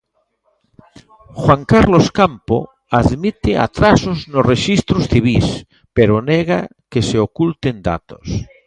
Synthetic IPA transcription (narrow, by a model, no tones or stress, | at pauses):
xwaŋkaɾloskampo̰ | aðmit̪ɪa̰t̪ɾasoznosreʃist̪ɾosθiβ̞is | peɾoneɣa̰keseokult̪end̪a̰t̪o̥s